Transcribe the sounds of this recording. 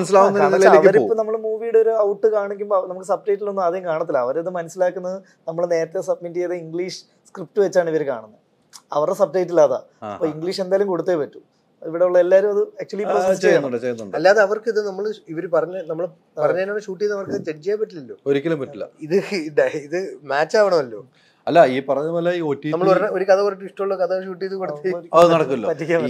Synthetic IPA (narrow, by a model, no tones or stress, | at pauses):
ɐnɐs̬ilaːwnɐɐʋkɐɾipːoːnɐmːɐɭmuːʋijuɽeoɾuɐwʈːɨkaːɳikʲːumbonɐmukːɨsɐb̚de̞ːʈːilo̞nːɨmɐðejkaːɳɐt̪ːilːɐːʋɐɾɐðɨmɐnɐsilaːkːunːɐðɨ | nɐmːɐɭne̞ːɾɐt̪ːesɐb̚mitːijɐðɨiŋɡɭiːʂɨ̥ | skrip̚ʈːɨʋet͡ɕːaːɳiʋɐɾka̰ːɳɐnːɐ | ɐ̰ʋɐrɖesɐb̚deːtːilaːða̰ː | ɐpːoːiŋɡɭiːʂe̞nd̪aːjːlumko̞ɽut̪ːeːpɐtːu̥ | iʋiɽeuɭːɐelːaːɾumɐðɨɐk̚t͡ɕuɐlipːoːsst͡ɕejnːuɳɖɨt͡ɕejunːuɳɖɐlːaːðeɐʋɐrkɨiðɨnɐmːɐɭiʋɐɾupɐrɐɲːnɐmːɐɭ | nɐpɐrɐɲːaːnːʂuːʈːijɐðnɐʋɐrkɨt̪eʈid͡ʑijaːpːɐʈːilɐlːoːoɾikʲːɐlɐmpɐʈːilːɐ̰iðɨɖɐiðɨmaːt͡ɕːaːʋɐɳɐmɐlːo̞̰ː | ɐlːɐiːpɐrɐɲːɐoːlːaiːotːinɐmːɐɭɾo̞ɾukɐðɐkorɐʈːɨiʂʈːɐmoɭːoːkɐðɐʂ̬uːʈːijɐðɨkoɽut̪iɐðnɐɽɐkːuɐloːpɐtːikʲːaːm